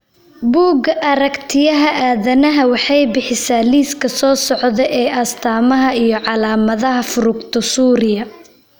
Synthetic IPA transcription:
buːɡɐʔɐɾɐkt̪ʰɪjɐɦɐʔaːðɐnɐɦɐwɑħɑjbɪħɪsaːliːskʰɐsɔːsɔʕðɛʔɛːʔɐst̪ʰaːmɐɦɐijɞʕɑlaːmɐðɐɦɐfʊɾʊɡt̪ʰɔsuːɾɪjɐ

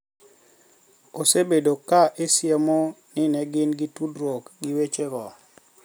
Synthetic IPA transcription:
osebedokaʔesjemonɪnɛɡɪnɡɪtudɾwokɡɪwet͡ʃeɡɔ

